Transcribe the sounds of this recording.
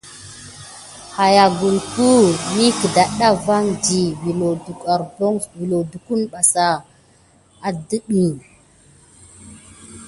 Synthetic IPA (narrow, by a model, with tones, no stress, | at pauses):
ha˨ja˨ɡu˨lku˦ni˦kə˨da˨ɗa˦va˦ŋdi˨vi˨o˨a˨ɾbo˦ŋvi˨lo˨du˨ku˦nɓa˨sa˨ | a˨də˦ɗi˨